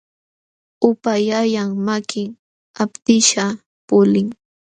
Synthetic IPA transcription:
ʊpajajaŋmakɪŋ | apt̪ɪʃa | pʊlɪŋ

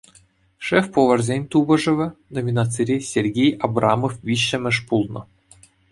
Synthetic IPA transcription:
ʂɛfpoʋɤ̆rzʲenʲt̪ubɤ̆ʐɘ̆ʋʲɘ̆nomʲinɑt͡siɾʲesʲerʲɡʲejɑbrʔɑmofʋʲiɕːɘ̆mʲɘ̆ʂpulˠnɤ̆

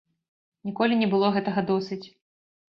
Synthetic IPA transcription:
nʲikɔlʲinʲɛbɨlˠɔɣɛt̪ɐɣɐd̪ɔsɨt͡sʲ

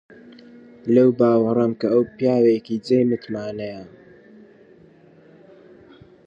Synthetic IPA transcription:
lɐwbaːwɾˤɐmkɐɐwpjaːwekid͡zeːjmɨt̪maːnejɐ

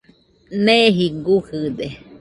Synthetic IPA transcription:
nẽɦiɡuhɨd̪e

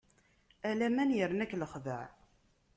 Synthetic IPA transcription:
ælæmænjəɾnækːləχðəʕ

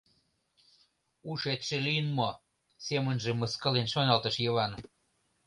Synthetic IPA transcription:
uʃet̪ʃĕlijənmo | semənʒĕməskə̆lenʃonɑlt̪ə̆ʃjɤβɑn

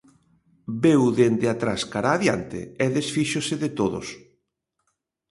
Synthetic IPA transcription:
bewðend̪ɪat̪ɾaskaɾaːðjant̪ɪ̰ɛðesfiʃosɪðɪt̪oðʊ̰s

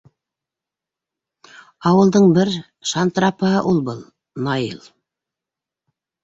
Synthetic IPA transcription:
ɑwɤ̆lˠd̪ɤɴbɘɾ | ʃɑnt̪rɑpəɦɤʔulˠbɤlˠ | nɑjɤ̰lˠ

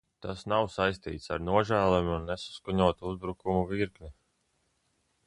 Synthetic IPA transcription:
t̪asnawsajst̪ḭːt̪saɾnuɔʒæːlˠɛmʲiunːesu̥skuɲuɔt̪uuzbɾukumuviɾknʲi

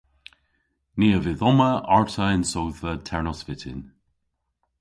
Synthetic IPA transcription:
neːəvɪðɔməaɹtʰəɪnsowðvətʰɛɹnɔsvɪtʰɪ̰n

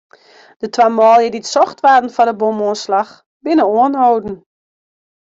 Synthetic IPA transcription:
d̥ətʰwamɔːlˠjəditsɔxtʋaːtn̩fɔdəbomoənslax | bɪnəoənɦoːdn̩

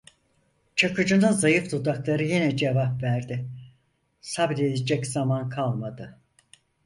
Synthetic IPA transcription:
t͡ʃʰakɯd͡ʒɯnɯzajɯfd̪ud̪aklˠaɾɯjinɛd͡ʒevapvæɾd̪ɪ | sabd̪e̞d̪ed͡ʒɛcz̥amankʰalˠmad̪ɯ

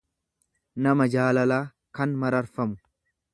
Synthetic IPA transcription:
nɐmɐd͡ʒaːlɐlaː | kɐnmɐɾɐɾfɐmʊ

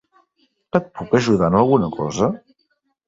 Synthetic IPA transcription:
kət̪̚pukəʒuðanəlˠɣunəkɔ̰zə

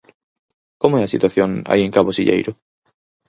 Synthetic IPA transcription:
komʊɛɐsit̪waθjõŋa̰ieŋkaβosiʎḛjɾʊ

